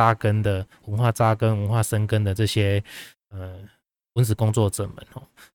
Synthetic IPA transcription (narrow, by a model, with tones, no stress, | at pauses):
a˦kə˦nd̪ə˨wə˦˥nxwa˥˨t͡sa˦kə˦nwə˧˦nxwa˥˨ʂə˦nkə˦nd̪ə˨t͡sɤ˥˨ɕjɛ˦ | ə˨˩ | ə˨˦nt͡sɹ̩˨˩˦kɔ˥˦ŋt͡swɔ˥˨ʈ͡ʂə̰˨˩mə̰˨˦nhɔ˥˨˩